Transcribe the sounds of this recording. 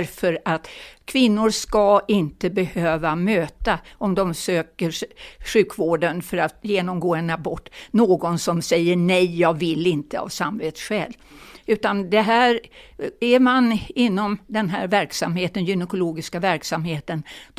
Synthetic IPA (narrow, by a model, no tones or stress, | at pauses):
ɾfœɾat̪kʰvɪnːʊɾʂkaʔɪnt̪əbɛhøːvamøːt̪aɔmd̪ɔmsøːkəɾɧʉ̟ːkʰvoːɖənfœɾat̪jeːnɔmɡoːɛnabɔʈːnoːɡɔnsɔmsɛjːəɳɛjjɑːɡvɪlɪnt̪əa̰vsamveːt̪sɧɛ̰ːl | ʉ̟ːt̪and̪ɛɦæːɾæɾmanɪnːɔmd̪ɛnɦæ̰ːɾvæɾksamheːt̪ənjʏnɛkʊloːɡɪskavæɾksamheːt̪ən